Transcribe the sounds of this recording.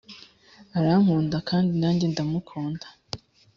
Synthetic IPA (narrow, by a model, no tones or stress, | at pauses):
aɾam̥uːndakaːndinaːndindamukʰoːndḁ